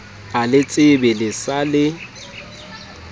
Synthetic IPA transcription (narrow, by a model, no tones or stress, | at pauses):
alɪt͡sʼɪbɛlɪsalɪ